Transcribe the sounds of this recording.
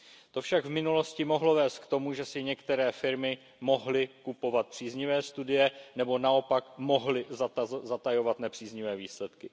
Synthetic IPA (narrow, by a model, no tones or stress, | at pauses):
t̪o̞fʃaɡvmɪnulo̞scɪmo̞ɦlo̞vɛːst̪̚kt̪o̞muʒɛsɪɲɛkt̪ɛɾɛːfɪɾmɪ | mo̞ɦlɪkupo̞vat̪̚pr̥iːzɲɪvɛːst̪udɪjɛnɛbo̞nao̞pakmo̞ɦlɪzaazat̪ajo̞vat̪nɛpr̥iːzɲɪvɛːviːslɛt̪kɪ